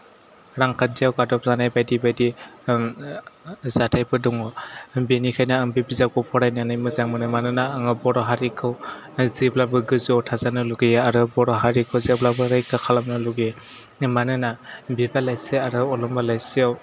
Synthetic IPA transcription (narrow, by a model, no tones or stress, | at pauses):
ɾaŋkʰanzijawɡadɔp̚zanajbajdibajdi | zatʰajpʰɯdɔŋɔbenikʰajnaɯŋbibizakɔpʰɔɾajnanajmɯzaŋmɯnɯmanɯnaːŋɯbɔɾɔɦaɾikʰɯw | ziblabɯɡɯziawtʰazanɯluɡɯjaaɾɯbɔɾɔɦaɾikʰɯwziblabɯɾajkʰɯkʰalamnɯluɡe | manɯnabibalajseaɾɯɔlɔmbalajsiaw